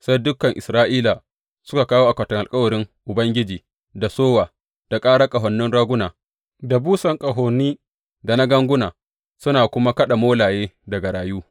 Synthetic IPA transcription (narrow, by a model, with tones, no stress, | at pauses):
sa˦jdʊ˦kːɐ˨ŋʔɪ̰˨sɾaː˦ʔiː˦la˨ | sʊ˦ka˨kaː˦wo˦ʔa˨kʷɐ˨tɔ˨ŋʔa˨lkʼɐ˦wɐ˨ɽɪ˦ŋʔʊ˨bɐ˦ŋɡʲɪ˦d͡ʒiː˨ | da˨soː˦waː˨ | d̥a˨kʼaː˦ɽa˦kʼɐ˨ɦɔ˨nːɪ˦nɽaː˦ɡʷʊ˦naː˨ | da˨buː˦sɐ˨ŋkʼɐ˨ɦoː˨nːiː˦ | da˨na˦ɡɐ˦ŋɡʷʊ˦naː˨ | sʊ˦naː˨kʷʊ˦ma˦kɐ˦ɗa˨moː˦laː˨jeː˦dɐ˨ɡa˨ɽaː˨juː˦